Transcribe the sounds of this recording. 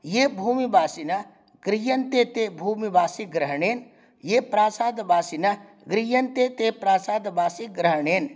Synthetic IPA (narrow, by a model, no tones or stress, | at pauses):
jebʱuːmibaːsinɐ | ɡɾijɐnt̪et̪ebʱuːmibaːsiɡɾəɦɳeːn | jepɾaːsaːd̪baːsinɐ | ɡɾijɐnt̪et̪epɾaːsaːd̪baːsiɡɾəɦɳeːn